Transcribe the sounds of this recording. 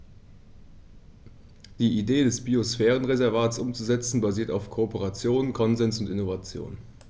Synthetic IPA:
d̥iːʔideːdɛsb̥iosfɛːʁ̞ənʁezɛɐvaːtsʔʊmt͡suzɛt͡sn̩baziːɐtaʊfkʰoopəʁat͡sjoːnkʰɔnzɛnsʊntɪnovat͡sjo̰ːn

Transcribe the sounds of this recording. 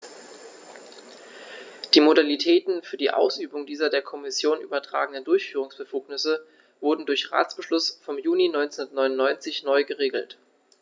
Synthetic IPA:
d̥iːmodalitʰɛːtn̩fyːɐdiːʔa̰ʊsʔyːbʊŋdiːzɐdeːɐkʰɔmɪsjoːnʔyːbɐtʁ̥a̰ːɡəŋnəndʊɐçfyːʁ̞ʊŋsb̥əfuːknɪsə | vʊɐdn̩dʊɐçʁa̰ːt͡sb̥əʃlʊsfɔmjuːninɔʏnt͡snnɐtnɔʏnʊnːɔʏnt͡sɪçnɔʏɡəʁeːɡl̩t

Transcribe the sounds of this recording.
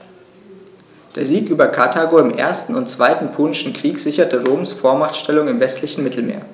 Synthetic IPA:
d̥eːɐziːkʔyːbɐkʰatʰaːɡoɪmʔḛːɐstn̩ʊntt͡sv̥aɪtn̩pʰoːnɪʃn̩kʁ̥iːkz̥ɪçɐtəʁoːmsfoːɐmaχtʃtɛlʊŋɪmvɛstʰlɪçn̩mɪtʰl̩mḛːɐ

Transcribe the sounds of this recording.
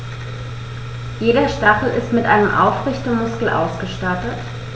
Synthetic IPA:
jeːɾɐʃtaχl̩ʔɪstmɪtʔa̰ɪnəmʔa̰ʊfʁɪçtəmʊskl̩ʔa̰ʊsɡ̥əʃtatət

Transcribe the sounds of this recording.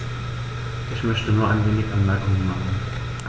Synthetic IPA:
ʔɪçmœçtənuːɐʔanveːnɪçʔanmɛɐkʰʊŋənmaχn̩ | ʔ

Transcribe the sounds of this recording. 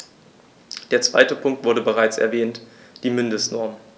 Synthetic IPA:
d̥eːɐt͡sv̥a̰ɪtəpʰʊŋk̚tv̥ʊɐɾəbəʁaɪt͡sɛ̰ɐvɛːntd̥iːmɪndəstnɔɐm

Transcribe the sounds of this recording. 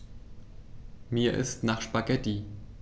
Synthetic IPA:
miːɐʔɪ̰stnaːχʃpaɡɛti

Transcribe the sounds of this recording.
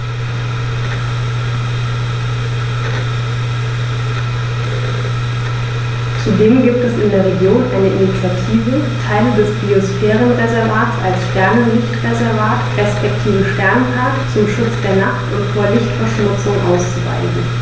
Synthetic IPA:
t͡sudeːmɡiːp̚tɛsɪndeːɐʁ̞eɡjoːnʔa̰ɪnəʔinit͡sjatʰiːvə | tʰaɪlədɛsb̥iosfɛːʁənʁezɛɐvaːtsalsʃtɛɐnəlɪçtʁezɛɐvaːtʁɛspɛk̚tʰiːvəʃtɛɐnəʁaktt͡sʊmʃʊt͡sd̥eːɐnaχtʊntfoːɐlɪçtfɛɐʃmʊt͡sʊŋʔa̰ʊst͡suva̰ɪzn̩

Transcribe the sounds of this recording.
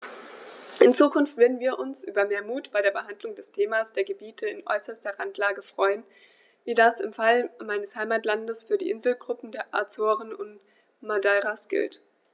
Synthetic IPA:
ʔɪnt͡suːkʰʊnftv̥eɐdn̩viːɐʔʊnsʔy̰ːbɐmeːɐmuːtb̥aɪɾeːɐbəɦandlʊŋdɛstʰeːmaːsd̥eːɐɡəbiːtʰəɪnʔɔ̰ʏsɐstɐʁantlaːɡəfʁ̥ɔʏən | viːdasɪmfalmaɪnəshaɪmaːtlandəsfyːɐdḭːʔɪnzl̩ɡʁʊpm̩deːɐʔa̰ɐt͡soːʁənʊnt | madaːʁasɡ̥ɪ̰lt

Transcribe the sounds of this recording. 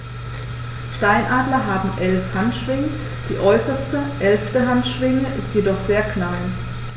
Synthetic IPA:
ʃtaɪnʔaːdlɐɦaːbm̩ʔɛlfhantʃv̥ɪŋə | d̥ḭːʔɔʏsɐstəʔɛlftəɦantʃv̥ɪŋəʔɪstjedɔχz̥eːɐknal

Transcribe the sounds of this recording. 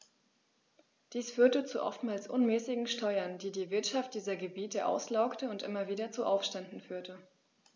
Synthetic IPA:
d̥iːsfyːɐtət͡suʔɔ̰ftmaːlsʔʊnmɛːsɪɡŋ̩ʃtɔʏɐndiːdiːvɪɐtʃaft̚d̥iːzɐɡəbiːtəʔa̰ʊslaʊktəʊntʔɪmɐviːdɐt͡suʔaʊfʃtɛndn̩fyːɐtə

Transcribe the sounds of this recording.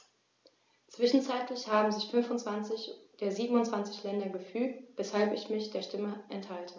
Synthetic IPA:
t͡sv̥ɪʃn̩t͡saɪtlɪçhaːbm̩zɪçfʏnfʊntt͡sv̥ant͡sɪçd̥eːɐziːbm̩ʊntt͡sv̥ant͡sɪçlɛndɐɡəfyːk̚tb̥ɛshalpɪçmɪçd̥eːɐʃtɪməʔɛnthaltʰə

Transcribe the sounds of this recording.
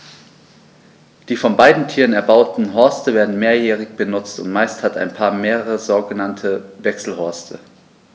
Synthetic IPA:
d̥iːfɔnbaɪdn̩tʰiːʁənɛɐbaʊtn̩ɦɔɐstəveːɐdn̩meːɐjɛːʁ̞ɪçb̥ənʊt͡stʊ̰ntmaɪsthata̰ɪnpʰaːɐmeːʁəʁəzoːɡənantʰəvɛksl̩hɔɐstʰə

